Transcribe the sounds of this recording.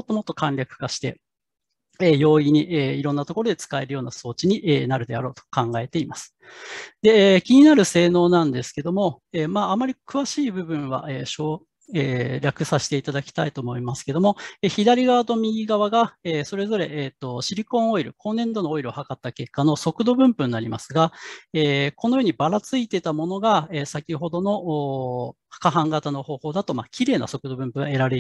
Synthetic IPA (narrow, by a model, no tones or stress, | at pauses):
mot̪ːo̞mo̞t̪ːo̞kãnʲɾʲakɯ̟̥kaɕi̥t̪e̞ | eːjo̞ːiɲ̟iʔeiɾõ̞nːat̪o̞ko̞ɾo̞d̪e̞t͡sɨ̥kae̞ɾɯ̟jo̞ːnaso̞ːt͡ɕiɲ̟iʔeːnaɾɯ̟d̪e̞a̰ɾo̞ːt̪o̥kãŋɡae̞t̪e̞imasɨ̥ | d̪e̞kʲiɲ̟inaɾɯ̟se̞ːno̞ːnãnd̪e̞sɨ̥ke̞d̪o̞mo̞ | eːmaːamːaɾʲikɯ̟βaɕiːbɯ̟bɯ̟̃ɰ̃βa̰ʔeːɕoː | eːɾʲakɯ̟saɕi̥t̪e̞it̪ad̪akʲi̥t̪ait̪o̞ːmo̞imasɨ̥ke̞d̪o̞mo̞eçid̪aɾʲiɡaβat̪o̞mʲiɡaβaɡaeːso̞ɾe̞zo̞ɾe̞ʔeːt̪ːo̞ɕiɾʲikõ̞ɰ̃o̞iɾɯ̟ko̞ːnːẽ̞nd̪o̞nooiɾɯohakat̪ːake̞kːano̞so̞kɯ̟d̪o̞bɯ̟̃mpɯ̟̃nːaɾʲima̰sɨɡaeːko̞no̞joːɲ̟ibaɾat͡sɨit̪e̞t̪amo̞no̞ɡaeːsakʲiɦo̞d̪o̞no̞ʔː | hḁkaɦãŋɡat̪ano̞ho̞ːho̞ːd̪at̪o̞ma̰ːkʲiɾe̞ːna̰so̞kɯ̟d̪o̞bɯ̟̃mpɯ̟ɡae̞ɾaɾe